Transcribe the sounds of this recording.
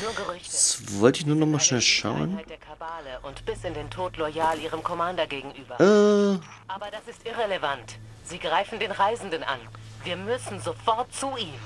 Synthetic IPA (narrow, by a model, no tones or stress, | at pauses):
nuːɐɡəʁʏçtsvɔltɪçnuːɐnɔχmaːʃnɛlʃa̰ʊənad̥eːɐkʰabaːləʔʊntb̥ɪsɪndeːntʰoːtlɔjaːliːʁ̞əmkʰɔmandɐɡeːɡŋ̩ʔyːbɐʔa | ʔaːbɐdasɪstʔɪʁeləvant | z̥iːɡʁaɪfn̩deːnʁaɪzn̩dənʔa̰nviːɐmʏsn̩zofɔɐt̚t͡suʔiːm